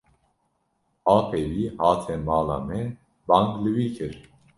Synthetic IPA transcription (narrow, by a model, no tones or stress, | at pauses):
ɑːpʰɛwiːhɑːt̪ʰɛmɑːla̰mɛ | bɑŋklɨwikʰɨɾ